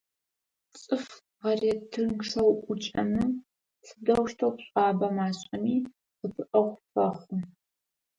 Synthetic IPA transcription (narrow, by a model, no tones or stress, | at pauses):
t͡sʼɨf | ʁɐreːtʰɨnkʂɐwʔʷʊt͡ʃʼɐnɨ | sɨdɐwʃtʰɐwpɕʼɑːbɐmaːɕʼɐmiː | qəpʰɨʔɐʁʷfɐχʷʊ